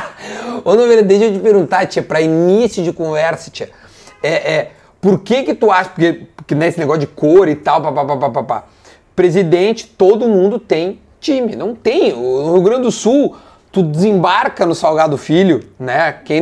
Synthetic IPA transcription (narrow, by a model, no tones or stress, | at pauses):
onɐ̃veɾd̪ad̪eʃewt͡ʃɪpeɾɡũnt̪at͡ʃiɐpɾɐinisjʊd͡ʒɪkõvɛɾsɐ̥t͡ʃiɐ | ɛʔɛ | poɾkekɪt̪uaʃɐ̥pʊɾkepʊɾkɪneesɪneɡɔsʊd͡ʒɪkoɾɪt̪awpapapapapapa̰ | pɾezid̪ẽnt͡ʃɪ̥t̪od̪ʊmũd̪ʊt̪ẽj̃ | t͡ʃĩmɪnɐ̃w̃t̪ẽj̃ʊnʊhiuɡɾɐ̃nd͡ʒɪd̪ʊsuw | t̪ud͡ʒɪzẽbaɾkɐnʊsawɡad̪ʊfilʊnɛkẽj̃